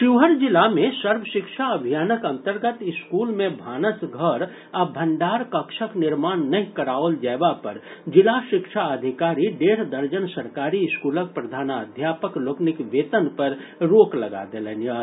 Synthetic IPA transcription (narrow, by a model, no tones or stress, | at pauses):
ʃɪːɦəɾd͡ʒɪlamẽsəɾʋəʃɪkʃaəbʱijaːnəkɐ̃nt̪əɾɡət̪ɪskuːlmẽbʱaːnəsɡʱəɾ | əbʱə̃ɳɖaːɾkəkʃəknɪɾmaːnːɐɦĩkəɾaːəld͡ʒɛːbapɐɾd͡ʒɪlaʃɪkʃaəd̪ʱɪkaːɾiɖeːɾd̪əɾd͡ʒənsəɾkaːɾiskuːlək̚pɾəd̪ʱaːnəd̪ʱjaːpəkloːknɪkʋeːt̪ənpəɾɾoːkləɡa̰d̪elenjə